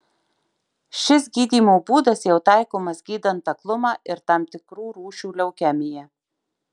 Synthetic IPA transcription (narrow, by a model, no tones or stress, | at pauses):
ʃʲɪsɡʲiːd̪ʲiːmoːbuːd̪ɐsjɛʊt̪ɑɪkoːmɐsɡʲiːd̪ɐnt̪ɐklˠʊmɑːʔɪɾt̪ɑmt̪ʲɪkɾuːɾuːʃʲuːlʲɛʊkʲɛmʲɪjɛ